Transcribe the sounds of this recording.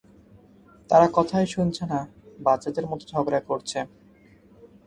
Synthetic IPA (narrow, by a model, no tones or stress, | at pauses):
t̪aɾakɔt̪ʰajʃunt͡ɕʰenabat͡ɕad̪eɾmɔt̪od͡ʑʱɔbɾakoɾt͡ɕʰe